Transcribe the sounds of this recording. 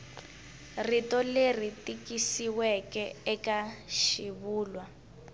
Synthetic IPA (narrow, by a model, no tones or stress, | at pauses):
ritɔler̤itikisiwɛkɛɛkaʃiβuːlwa